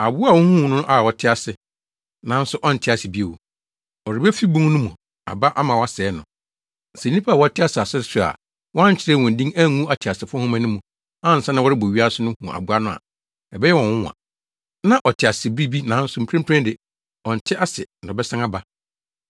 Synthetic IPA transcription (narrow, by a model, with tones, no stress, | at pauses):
a˨bʊ˦a˨wɔ̃˦hũ˦˨nʊ̃˦ʔa˦˨ɔ˨tʰɪ˦a˨sɪ˨ | nã˨˦n̩˦sʊ˦ʔɔ˦n̩˨tʰɪ˦a˨sɪ˨bi˦e˨wu˨ | ɔ˨ɾɪ˨bɛ˦fi˦bũ˦ŋ˦nʊ̃˦mũ˨ | a̰˨ba˦ʔa˦mã˨wa˦sɛ˨˦nʊ̃˨ | n̩˨sɛ̃˨˦nĩ˦pʰa˦a˨wɔ˨˦tʰɪ˦a˦˨sɪ˨a˨sɪ˦sʊ˦a̰˨ | wɔ˦a˦ɲ̩˨t͡ɕʰɪ˦ɾɛ˦˨wɔ̃˨n̩˨dĩ˦ŋæ˦˨ŋũ˦a˦tʰɪ˨a˨sɪ˨fʊ˦hũ˦mã˦nʊ̃˦mũ˨ | ã˦˨n̩˨sã˦nã˦wɔ˦ɾɪ˦bo˨ɥi˦a˦sɪ˦nʊ̃˦hṵ̃˨ʔa̰˨bʊ˦a˦nʊ̃˦a̰˨ | ɛ˨bɛ˦jɛ˦wɔ̃˨wʊ̃˦˨a̰˨ | nã˦ʔɔ˨tʰɪ˨a˨sɪ˨bi˦bi˦nã˨˦n̩˦sʊ˦m̩˨pʰɾɛ̃˦m˦pʰɾɛ̃˦ndɪ˨ | ɔ̃˨n̩˨tʰɪ˦ʔa˦sɪ˨n̩˨dɔ˨bɛ˦sã˦ŋa˦ba˦